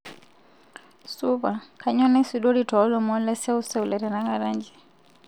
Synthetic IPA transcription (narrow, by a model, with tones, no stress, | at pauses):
suβa˨kʰaɲɔ˦nɛ˦suɗɔ˦ɾitɔː˦lɔmɔ˦lɛ˦sɛ˦u˦sɛ˦ulɛ˨ɾɛ˨na˦ɣaɾa˦ɲd͡ʒi˨